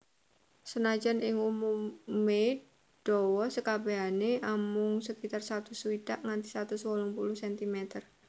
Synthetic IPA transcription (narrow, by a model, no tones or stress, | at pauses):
sənad͡ʒanɪŋumumːe | ɖ̥ɔwɔsəkabeɦaneʔamʊŋsəkit̪arsat̪usuwidaʔŋant̪isat̪uswɔlɔŋpuluhsɛnt̪imɛt̪ər